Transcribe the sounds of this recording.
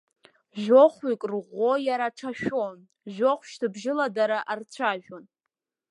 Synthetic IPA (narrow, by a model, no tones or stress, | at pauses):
ʒᶣoχʷikʼrʁʷojaɾaʈ͡ʂʰaʃᶣon | ʒᶣoχʷʃtɨbʒɪladaɾaʔart͡ɕʷʰaʒᶣon